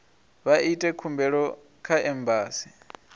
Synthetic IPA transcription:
βaitʼɛkʰumbɛɺɔ | kʰaɛmbʱaːsi̥

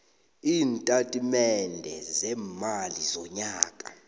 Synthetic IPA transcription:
iːntʼatʼimɛndʱɛzɛːmalizɔɲaːkʼa̰

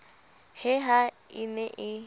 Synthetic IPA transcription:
hɪɦa | inɛʔɪ

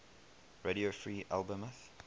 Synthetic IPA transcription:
ɹeɾiofɹiːʔalˠbə̃məθ

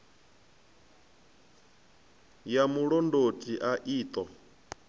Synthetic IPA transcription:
jamuɺɔndotʼiʔaʔiːt̪ʼɔ

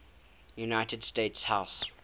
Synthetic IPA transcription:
junaɪtədsteɪtshaʊs

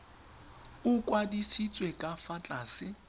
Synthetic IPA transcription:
ʊkʼwadisit͡sʼwekʼafat͡ɬʼaːsɪ

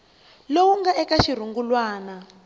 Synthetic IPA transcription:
lowuŋɡaʔɛkaʃir̤uŋɡulwaːna

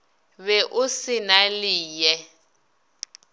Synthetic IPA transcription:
βɛʔʊsɪnaliːjɛ

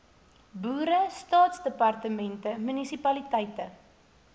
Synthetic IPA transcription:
buːɾəstɑːtsdəpɐrtəmɛntəmynisipɐlitɛjtə

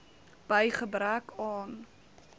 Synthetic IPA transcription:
b̥əjχəbɾækɑːn

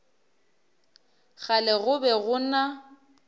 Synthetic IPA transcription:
ɣalɛɣʊbɛɣʊna

